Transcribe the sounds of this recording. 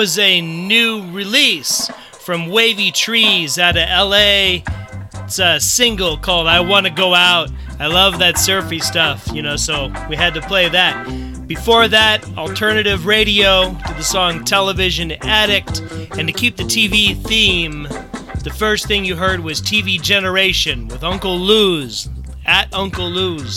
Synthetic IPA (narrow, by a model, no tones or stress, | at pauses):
ʌzɨnʉɹɪlis | fɹʌ̃mweɪvitʰɹ̥izɨɾɨʔɛlˠeɪ | tsʌsɪ̃ŋɡl̩ˠkʰɔlˠdaɪwɑ̃nɨɡoʊaʊɾ | aɪlʌvðɨtsɜ˞fistʌfjɨnoʊsoʊwiɨd̚tɨpʰl̥eɪðɨt̚ | b̥ɨfɔɹðɨɾ | l̩ˠtʰɜ˞nɨɾɪvɹeɪɾioʊɾɨðɨsɔ̃ŋtʰɛlˠəvɪʒɨ̃næɾɪk̚tɨ̃ntɨkʰip̚ðɨtʰiviθĩmðɨfɜ˞sθɪ̃ŋjɨɦɜ˞d̚wʌz̥tʰivid͡ʒɛnə˞eɪʃɨ̃nwɪðʌ̃ŋkl̩ˠluz | ɨɾʔʌ̃ŋkl̩ˠluz̥